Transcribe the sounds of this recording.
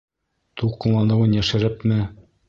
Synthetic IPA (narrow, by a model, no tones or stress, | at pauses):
t̪uqːɤ̆nlˠɑnɤ̆wɤnjæʃɘ̆ɾɘpmɘ